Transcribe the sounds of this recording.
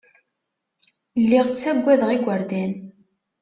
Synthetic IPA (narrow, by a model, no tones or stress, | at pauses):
lːiʁt͡sːæɡʷːæðʁiɡʷəɾd̪æn